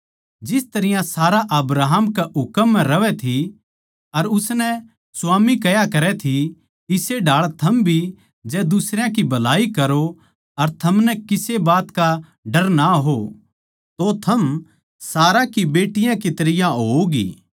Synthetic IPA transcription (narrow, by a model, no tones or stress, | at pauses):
d͡ʒɪst̪ɐɾɪjãsaːɾaʔɐbɾaːɦəmkaʊkəmːɛ̃ɾɐʋɛt̪ʰi | ɐɾʊsnɛ | sʊaːmikɐjakɐɾɛt̪ʰi | ɪseɖʱaːɭt̪ʰɐmbʱi | d͡ʒɛd̪ʊsɾjãkibʱɐlaːikɐɾo | ɐɾt̪ʰɐmnɛkɪsebaːt̪ka | ɖɐɾnaɦo | t̪ot̪ʰɐm | saːɾãkibeːʈɪjãkit̪ɐɾɪjãɦoːɡḭː